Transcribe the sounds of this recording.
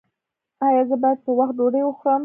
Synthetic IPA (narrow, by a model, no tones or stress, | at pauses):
ɑjɑzəbɑjad̪̚pəwaxt̪̚d̪oɽejwəxɾɑm